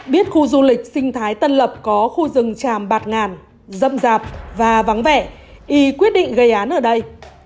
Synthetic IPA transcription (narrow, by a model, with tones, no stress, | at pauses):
ɓi˦˥ət̚xu˧zu˧lï˨˩k̟̚sï˧ŋ̟t̪ʰaː˨˦jt̪ə˧nlə˨˩p̚kɔ˨˦xu˧zɨ˨˩ŋt͡ɕaː˨˩mɓaː˨˩t̚ŋaː˨˩n | zə̰˧˨mzaː˨˩p̚vaː˨˩va˨˦ŋvɛ̰˧˩˨ʔi˨˦kwi˦˥ət̚ɗḭ˧˨ŋ̟ɣə˧˩jʔaː˨˦nʔəː˧˩ɗə˧j